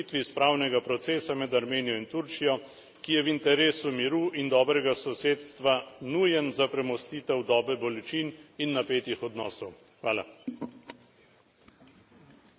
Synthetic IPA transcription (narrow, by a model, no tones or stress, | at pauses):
it̪ʋispɾaːwnɛɡapɾɔt̪seːsamɛd̪aɾmeːnijɔint̪uɾt͡ʃijɔ | kijɛʋint̪ɛɾeːsumiɾuʔind̪ɔːbɾɛɡasɔseːt̪st̪ʋanuːjɛnzapɾɛmɔst̪iːt̪ɛwd̪ɔːbɛbɔlɛt͡ʃininːapeːt̪ixɔd̪nɔːsɔw | xʋaːla